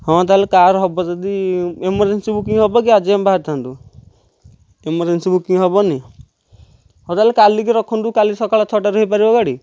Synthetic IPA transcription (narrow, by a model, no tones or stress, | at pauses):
hɔ̃t̪aalekaɾɦɔbɔd͡ʒad̪iemɔɾd͡ʒensibukiŋɦɔbɔk̬iad͡ʒambaɦaɾt̪ʰant̪u | emɔɾd͡ʒensibukiŋɦɔbɔni | ɦɔ̃t̪aɦlekalik̬iɾɔkʰɔnt̪ukalisɔkaɭɔt̪ʰɔʈaɾəɦipaɾibɔɡaɽi